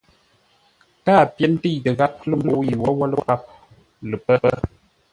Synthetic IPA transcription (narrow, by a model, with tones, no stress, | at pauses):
kaː˦˨pjɛ˦n̩˦ti˦˨jtə˨ɣa˦p̚lə˦mblo˨˦i˨wɔ˦wɔ˦lə̰˦ɣa˦p̚ | lɨ˨pə˦ə˦